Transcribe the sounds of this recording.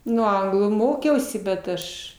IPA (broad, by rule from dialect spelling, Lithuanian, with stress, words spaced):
ˈnʊ ˈɐŋɡlˠuː ˈmoːkʲɛʊsʲɪ bʲɛt ˈɐʃ